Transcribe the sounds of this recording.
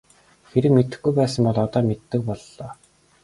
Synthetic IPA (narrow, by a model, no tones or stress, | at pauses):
xeɾɘ̆kmet̪ɘ̆xɡujpæːsə̆mpɔɮɔt̪ɔːmet̪ːɘ̆k̚pɔɮːɔː